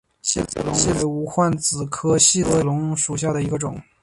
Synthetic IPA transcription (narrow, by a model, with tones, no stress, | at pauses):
ɕɛ˥˧˩ɕi˥˧˩le˧˥u˧˥xwa˥˩nt͡sɹ̩˨˩kʰɤ˥ɕi˥˩lɤ˧˥lʊ˧˥ŋʂu˨˩ɕ̬ja˥˩d̪ə˩i˧˥ɡə˧ʈ͡ʂʊ̰˨˩˦ŋ